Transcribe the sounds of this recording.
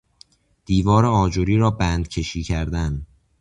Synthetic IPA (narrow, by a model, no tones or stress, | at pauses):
d̪̥iːvɒːɾeɒːd͡ʒoɾiːɾɒːbæːnd̪cʰe̞ʃiːcʰæɾd̪æn